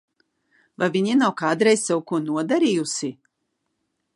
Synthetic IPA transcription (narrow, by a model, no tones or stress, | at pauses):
vajviɲinawkaːd̪ɾɛjzsɛwkuɔnuɔd̪aɾiːjusi